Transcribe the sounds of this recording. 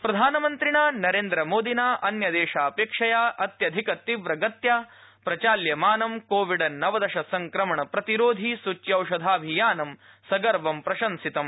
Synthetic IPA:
pɾɐd̪ʱaːnɐmɐnt̪ɾiɳaːnɐɾeːnd̪ɾɐmoːd̪inaːʔɐnjɐd̪eːʂaːpeːkʂɐjaːʔɐt̪jɐd̪ʱikɐt̪iʋɾɐɡɐt̪ja | pɾɐt͡ʃaːljɐmaːnɐmkoːʋiɖɐnɐʋɐd̪ɐʃɐsɐŋkɾɐmɐɳɐpɾɐt̪iɾoːd̪ʱisut͡ʃjɐwʂɐd̪ʱaːbʱijaːnɐm | sɐɡɐɾʋɐmpɾɐʃɐnsit̪ɐm

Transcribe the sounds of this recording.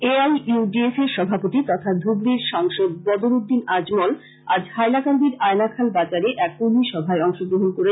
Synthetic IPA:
eajuɖiefeɾʃɔbʱapot̪it̪ɔt̪ʰad̪ʱubɾiɾʃaŋʃod̪̚bɔd̪oɾud̪ːinad͡ʑmɔl | a̰d͡ʑhajlakand̪iɾaenakʰalbad͡ʑaɾeʔɛkuliʃɔbʱaeɔŋʃoɡɾoɦunkoɾe

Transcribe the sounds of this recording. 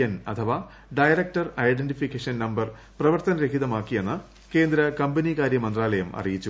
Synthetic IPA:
ɐnɐt̪ʰɐʋa | ɖɐjɾɐk̚ʈɐrɐjɖenʈifikːeʂɐnnɐmbɐr | prɐʋɐrt̪ɐnɐɾekʰiðɐmaːkːijenːɨ | ke̞ːnd̪ɾɐkɐmbɐnikaːɾjɐmɐnd̪raːlɐjɐmɐ̰rijit͡ɕːu

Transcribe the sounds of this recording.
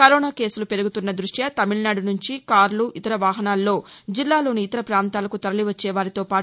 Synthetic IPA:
kɐɾɔːnaːke̞ːsulupe̞ɾuɡut̪unːɐd̪ɾuʂjɐt̪ɐmiɭnaːɽunuɲt͡ʃikaːɾluʔit̪ɐɾɐʋaːɦɐnaːlːo̞ːd͡ʒilːaːlo̞ːniːt̪ɐɾɐpɾaːnt̪aːlɐkut̪ɐɾɐliʋɐt͡ʃːɛːʋaːɾit̪o̞ːpaː

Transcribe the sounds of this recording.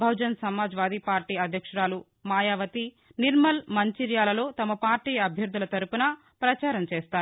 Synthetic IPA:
bʱɐwd͡ʒɐnsɐmaːd͡ʒʋaːd̪ipaːɾʈiːɐd̪ʱjɐkʂɐɾaːlu | maːjaːʋɐt̪i | niɾmɐlmɐɲt͡ʃiɾjaːlɐlo̞ːt̪ɐmɐpaːɾʈiːjɐɐbʱjɐɾd̪ʱulɐt̪ɐɾupunɐ | pɾɐt͡ʃaːɾɐmt͡ʃeːst̪aːu

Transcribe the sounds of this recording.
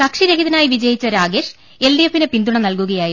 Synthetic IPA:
kɐkʂiɾɐkiðɐnaːjiʋid͡ʑɐjit͡ɕːɐɾaːɡeːʂ | e̞lɖijefːinepind̪uɳɐnɐlkuɣɐjaːji

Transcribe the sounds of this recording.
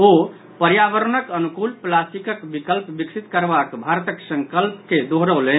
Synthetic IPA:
o | pəɾjaʋəɾnəkənukulplasʈikəkbikəlpbiksit̪kəɾbakbʱaɾt̪əksəŋkəlpked̪oɦɾəlen

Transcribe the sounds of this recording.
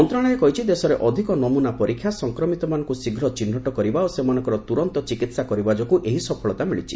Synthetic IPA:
ɔnt̪ɾɔ̃aɾekɔɦit͡ʃʰid̪esɔɾeʔɔd̪ʱikɔnɔmunapɔɾikʰːjasɔŋkɾɔmit̪ɔmanɔŋkusiɡʱɾɔt͡ʃin̤ːɔʈɔkɔɾibaosemanɔ̃ŋkɔɾɔt̪uɾɔnt̪ɔt͡ʃikit̪sakɔɾibad͡ʒɔkuʔeɦisɔpʰɔɭɔt̪amiɭit͡ʃʰi̥̰

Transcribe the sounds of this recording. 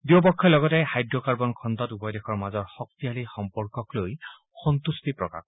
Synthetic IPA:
diɔpɔkʰːɔlɔɡɔtɛxajdɹɔkaɹbɔnkʰɔndɔtupɔjdekʰɔɹmazɔɹxɔk̚tialixɔmpɔɹkɔkloj | xɔnt̪ustipɹɔka̰k

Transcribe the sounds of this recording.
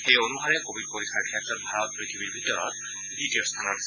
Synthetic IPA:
xejonuɦaɹɛkobʱid̚poɹikʰaɹkʰɛtɹɔt̚bʱaɹɔt̚pɹitʰibiɹbʱitɔɹɔ̰t̚ | dʱitijɔst̪ʰanɔtas

